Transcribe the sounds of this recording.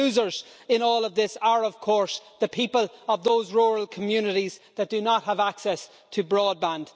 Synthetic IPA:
ʉːzə˞z̥ | ɪ̃nɔːlˠʌvðɪsəɹʌv̥kʰɔɹsðəpʰipələvðoʊzɹɔːɹəlˠkʰəmjʉnɪɾizðət̚d̥ənət̚həvaksɛs | tʰəbɹɔːd̚bãnd̥

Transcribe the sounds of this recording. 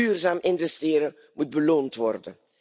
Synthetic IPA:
yːrzaːmʔɪnvɛstɪːɾə | mud̚bəloːntʋɔrdən

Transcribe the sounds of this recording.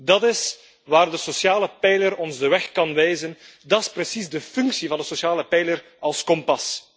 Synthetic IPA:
dɑtɪs | ʋaːrdəsosjaːləpɛjləɾɔnzdəʋɛxkɑnʋɛjzəndɑtɪsprəsizdəfʏŋksivɑndəsosjaːləpɛjlər | ɑlˠskɔmpɑs

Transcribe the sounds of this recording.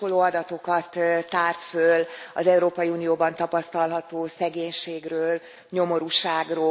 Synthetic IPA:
oloːɒd̪ɒt̪o̞kɒt̪t̪ːaːrt̪følɒ̰zɛuɾoːpɒjiuːnijoːbɒnt̪ɒpɒst̪ɒlɦɒt̪oːsɛɡeːɲʃeːɡrøːl | ɲo̞mo̞ɾuʃaːɡroː

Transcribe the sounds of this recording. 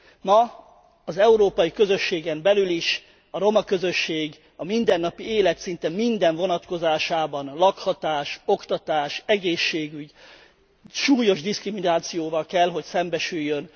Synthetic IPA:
mɒ | ɒzɛuɾoːpɒjikø̞zø̞ʃːeːɡɛmbɛlyliʃ | ɒɾo̞mɒkø̞zø̞ʃːeːɡ | ɒmind̪ɛnːɒpieːlɛt̪sint̪ɛmind̪ɛɱvo̞nɒt̪ko̞zaːʃaːbɒnlɒkhɒt̪aːʃo̞kt̪ɒt̪aːʃɛɡeːʃːeːɡyɟ | ʃuːjo̞ʒd̪iskriminaːt̪sijoːvɒlkɛlɦo̞csɛmbɛʃyjːøn

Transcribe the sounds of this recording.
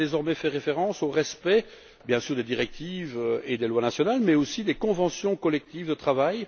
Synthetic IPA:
ezɔʁmɛfɛʁefeʁɑ̃soʁɛspɛ | bjɛ̃syːʁd̪ed̪iʁɛk̚t̪ived̪elwanasjɔnalmɛosid̪ekɔ̃vɑ̃sjɔ̃kɔlɛk̚t̪ivd̪ət̪χavaj

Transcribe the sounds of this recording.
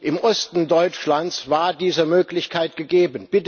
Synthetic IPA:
ʔɪmʔɔstn̩dɔʏt͡ʃlant͡svaːɐdiːzəmøːklɪçkʰaɪtɡ̥əɡeːbənb̥ɪt

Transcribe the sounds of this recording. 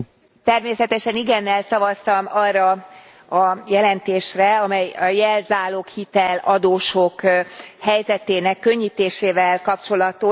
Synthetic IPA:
t̪ɛrmeːsɛt̪ɛʃɛniɡɛnːɛlsɒvɒst̪ɒmɒrːɒ | ɒjɛlɛnt̪eːʃrɛɒmɛjɒjɛlzaːloːkhit̪ɛlɒd̪oːʃokhɛjzɛt̪eːnɛkːø̞ɲːiːt̪eːʃeːvɛlkɒpt͡ʃo̞lɒt̪o

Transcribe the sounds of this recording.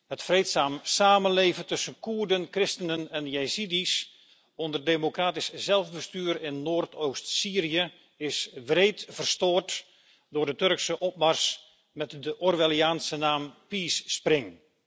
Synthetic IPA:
hətfreːtsaːmsaːmənleːvəntɵsənkuːrdənkrɪstənənɛnjesidis | ɔndərdemokraːtiszɛlˠvbəstyːrɪnːoːrtʰoːstsiːriə | ɪsʋreːtfərstoːrt | dʊːrdətørksəʔɔp̚mars | mɛtdəʔɔrʋelˠiaːnsənaːmpiːsːprɪŋ

